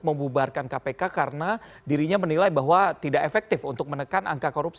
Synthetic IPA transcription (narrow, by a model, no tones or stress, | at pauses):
məmbubarkankapekakaɾəna | diɾiɲamənilajbaɦwat̪idaʔefɛk̚t̪ɪfunt̪ʊk̚mənəkana̰ŋkakoɾups